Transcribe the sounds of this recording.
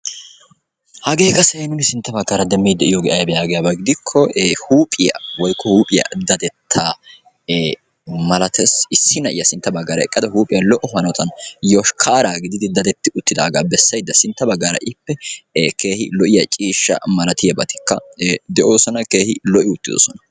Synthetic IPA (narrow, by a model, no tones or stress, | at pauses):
hɐɡe̞ːkʼɐsɛnʊnɪsɪnt̪ːɐbɐɡːɐːɾɐd̪ɛmːiːd̪ːɛʔɪjoɡɛʔɐjbɛjaːɡɛjabɐɡɪd̪ɪkʰːɔːhuːpʼɪjɐ̰wɔjkʰːɔhuːpʼɪjɐ̰d̪ɐd̪ɛt̪ʰːaː | mɐlɐt̪ɛsɪsːɪnɐʔɪjɐsɪnt̪ːɐbɐɡːaːɾɐɛkʼːɐd̪ɐhuːpʼɪjɐlɔʔɔhɐnɔt̪ɐnjoʃkʰaːɾaːɡɪd̪ɪd̪ɪd̪ɐd̪ɛt̪ːɪʊt̪ːɪd̪aːɡaːbɛsːɐjd̪ːɐsɪnt̪ːɐbɐɡːaːɾɐ̰ʔɪpːɛke̞ːhɪ̰lɔʔɪjɐt͡ʃʼiːʃːɐ̰mɐlɐt̪ɪjɐbɐt̪ɪ̥kːɐ̰d̪ɛʔo̞ːsɔnɐke̞ːhɪlɔʔɪʊt̪ːɪd̪o̰ːsɔnɐ̥